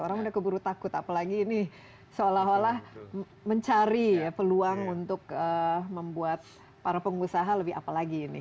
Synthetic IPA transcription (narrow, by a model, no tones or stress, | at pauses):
oɾaŋudahkəbuɾut̪akʊt̪apalaɡiːni | səolaɦolah | məɲt͡ʃaɾijapəluaŋunt̪ʊk̚əməmbuat̪̚ | paɾapəŋusaɦaləbɪa̰palaɡinɪ̰